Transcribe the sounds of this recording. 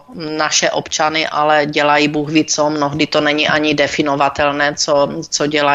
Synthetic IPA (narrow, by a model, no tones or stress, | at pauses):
naʃɛʔopt͡ʃanɪʔalɛɟɛlajiːbuːɣvit͡somnoɦdɪt̪onɛɲiʔaɲidɛfɪnovat̪ɛlnɛːt͡sot͡soɟɛla